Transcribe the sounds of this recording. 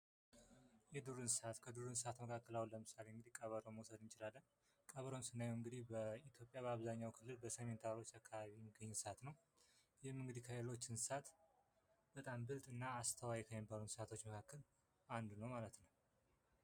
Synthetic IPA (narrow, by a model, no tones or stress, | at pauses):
jɛd̪uɾɨnsat̪kʰəd̪uɾɨnsat̪məkʰakːəlawiləmɨsaleɨŋɡɨd̪ikʼəβəɾomwsəd̪ɨnt͡ʃɪlalːəɲ | kʼəβəɾomsɨnːajɨŋɡɨd̪ihbəit̪ʰjo̞pʼjaβəaβzaɲːawkʰɨlːɨlbəsəme̞nt̪ʰaɾo̞t͡ʃːakːaβaβimɨɡəɲːnsat̪nəw | jɛmɨŋɡɨd̪ikʰaelo̞t͡ʃːɪnsat̪ | bət̪ʼambɨlt̪ʼɨnːaːst̪ʰəwajɛkʰəjɛbəɾunsat̪ʰo̞t͡ʃːməkʰakːɨl | and̪unəwmalət̪nəw